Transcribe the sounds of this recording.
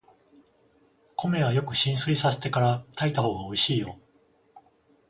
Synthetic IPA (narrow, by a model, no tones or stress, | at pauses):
kʰo̞me̞βajo̞kɯ̟ɕĩɰ̃sɨisase̞̥t̪e̞kaɾat̪ait̪aho̞ːɡao̞iɕiːjo̞